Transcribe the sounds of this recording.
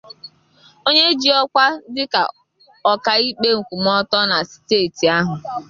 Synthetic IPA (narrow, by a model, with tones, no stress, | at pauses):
o˦ɲe˦d͡ʒi˨ɔ˦kʷa˦dɪ˦ka̰˨ | ɔ˨ka˨i˦k͡pe˦ŋ̩˨kʷu˨m̩˦ɔ˦tɔ˦na˨si̥˨teː˦˨ti˨a˦ɦʊ˨